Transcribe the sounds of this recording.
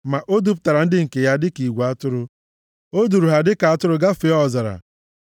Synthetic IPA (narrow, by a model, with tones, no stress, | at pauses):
ma˨ʔo˦du˦p̚ʊ˦ta˨ɾa˨n̩˦dɪ˦ŋ̩˨ke˨ja˦dɪ˦ki˨ɡʷa˦tʊ˦ɾʊ˦ | o˦du˨ɾu˨ɦa˨dɪ˦ka˨a˨tʊ˦ɾʊ˦ɡa˦fi˨˦ɔ˦˨za˨ɾa̰˨